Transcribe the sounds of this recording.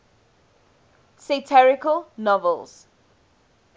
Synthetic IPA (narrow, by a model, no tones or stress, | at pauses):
sitʰɛɹɪkəlnɔvəlz̥